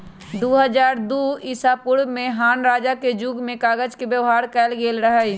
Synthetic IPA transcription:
d̪oːɦəd͡ʒaːɾd̪oːɪsapʊɾbmẽɦaːnɾaːd͡ʒaked͡ʒuɡmẽkaːɡəd͡ʒkebjəʋɦaːɾkɛːlɡeːlɾəɦə

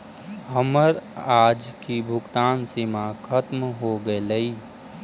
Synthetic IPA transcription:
ɦəməɾaːd͡ʒkibʱʊɡt̪aːnsimakʰɐt̪mɦoɡəelɐiː

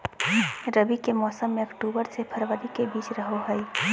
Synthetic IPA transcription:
ɾəbikemɔːsəmːẽɐkʈuːbəɾsepʰəɾʋəɾikebiːt͡ʃɾəɦoɦɛ

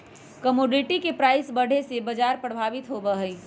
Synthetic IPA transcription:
kəmoːɖiʈikepɾaːɪsbəɽ̤ʱesebəd͡ʒaːɾpɾəbʱaːʋɪt̪ɦobəɦəi

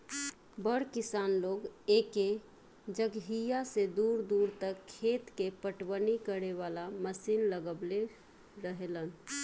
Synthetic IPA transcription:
bəɽkisanloɡeke | d͡ʒəɡɦijased̪uɾd̪uɾt̪əkʰːet̪kepəʈwənikəɾeʋalaməsinləɡəble | ɾəɦelən

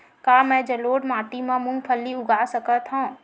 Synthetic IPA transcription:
kaːmɛ̃ːd͡ʒəloːɖmaːʈimãmʊ̃ŋɡpʰəlːiʊɡaːsəkət̪ɦãː

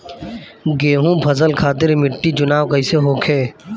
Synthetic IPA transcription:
ɡeːɦũpʰɐzəlkʰaːt̪ɪɾmɪʈːid͡ʒʊnaːwkɐiseɦoːkʰeː

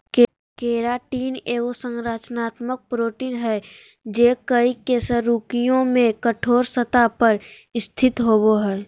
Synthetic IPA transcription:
k | keːɾaʈiːneːosə̃ŋɾaːt͡ʃnaːt̪mək̚pɾoːʈiːnɦɛ | d͡ʒeːkəikesəɾuːkijõmẽkəʈʰoːɾsət̪apəɾ | ɪst̪ʰɪt̪ɦoːboɦɛː

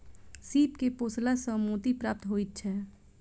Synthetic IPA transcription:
siːpkepoːslasə̃moːt̪ipɾaːp̚t̪ɦoːit̪̚t͡ʃʰɛː

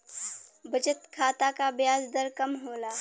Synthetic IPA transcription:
bɐd͡ʒət̪kʰaːt̪akabjaːzd̪əɾkɐmɦoːlaː

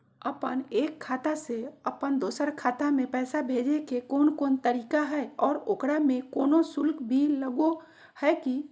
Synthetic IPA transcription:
əpəneːkʰːaːt̪aseəpənd̪oːsəɾkʰaːt̪amẽpɛːsabʱeːd͡ʒekekoːnkoːnt̪əɾiːkaɦɛːɔːɾoːkɽamẽkoːnosʊlkbʱiləɡo | hɛːki

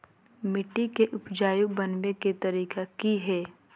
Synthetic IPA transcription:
mɪʈːikeʔʊpd͡ʒaːjubɐnʋeket̪ɐɾiːkakiɦɛː

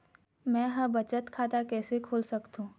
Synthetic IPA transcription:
mɛ̃ːɦɐɾbɐt͡ʃət̪kʰaːt̪akɛːsekʰoːlsɐkt̪ũː

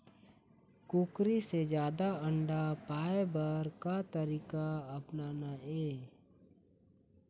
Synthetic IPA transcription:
kukɾised͡ʒjaːd̪aə̃ɳɖapaːebəɾkat̪əɾiːkaɐpnaːnaeː

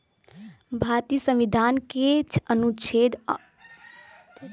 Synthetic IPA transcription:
bʱaːɾt̪iːsə̃mʋid̪ʱaːnket͡ʃʰənut͡ʃʰeːd̪

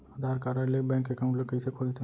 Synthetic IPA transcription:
əd̪ʱaɾkaɾalebɛ̃ːŋkekaʊ̃ɳʈlekəisekʰoːlt̪ʰe

